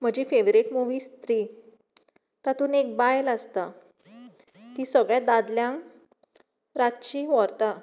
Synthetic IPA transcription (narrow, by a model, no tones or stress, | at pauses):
m̤əd͡ʑifeʋɾeʈmuʋiːst̪ɾiː | t̪at̪uːnek̚bajlast̪a | t̪isəɡɭjãd̪ad̪ljãŋ | ɾat̪t͡ɕiːʋɔɾt̪a